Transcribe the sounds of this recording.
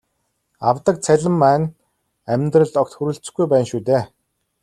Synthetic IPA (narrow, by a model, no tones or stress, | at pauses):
awt̪ə̆k̚t͡sʰæɮʲə̆mːæːn | æmʲt̪rə̆ɮt̪ɔkt̪xuɾuːɮt͡sɘ̥̆xɡujpæːnʃuːt̪eː